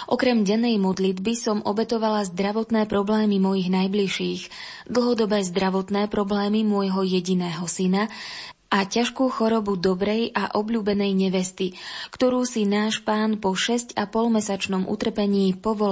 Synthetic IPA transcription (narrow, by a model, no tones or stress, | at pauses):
ʔɔkɾɛmɟɛnːɛjmɔd̪lid̪bisɔmʔɔbɛt̪ɔʋalazd̪ɾaʋɔt̪nɛːpɾɔblɛːmimɔjiɣnajbliʃiːɣ | d̪l̩ˠɦɔd̪ɔbɛːzd̪ɾaʋɔt̪nɛːpɾɔblɛːmimʊɔjɦɔjɛɟinɛːɦɔsina | ʔacaʃkuːxɔɾɔbud̪ɔbɾɛjʔaʔɔbʎuːbɛnɛjɲɛʋɛst̪ikt̪ɔɾuːsinaːʃpaːnpɔʃɛscapɔlmɛsat͡ʃnɔmʔṵt̪r̩pɛɲiːpɔʋɔ